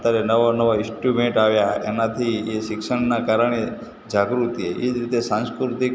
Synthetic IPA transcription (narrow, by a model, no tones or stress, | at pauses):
t̪aɾenəʋonəʋoɪsʈjubẽɳʈaʋjaḛnat̪ʰieʃɪkʃəɳnakaɾəɽ̃e | d͡ʒaɡɾut̪ieʔed͡ʒɾit̪esãnskɾʊɾt̪ik